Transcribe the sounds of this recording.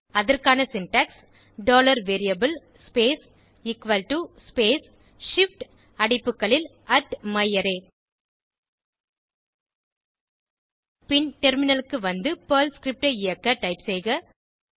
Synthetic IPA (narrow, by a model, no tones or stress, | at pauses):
ɐðɐrkaːnɐsɪnʈɐks | ɖoːlɐɾʋeːɾɪjɐbɯl | speːs | ɪkʋɐlʈuspeːs | ʂɪfʈ | ɐɽɪpːɯkːɐɭɪl | ɐʈmɐjɐɾeː | pɪnʈɛɾmɪnɐlɯkːɯʋɐnd̪ɯpɐːlskɾɪp̚ʈɐɪjɐkːɐʈɐɪpsɛjɣɐ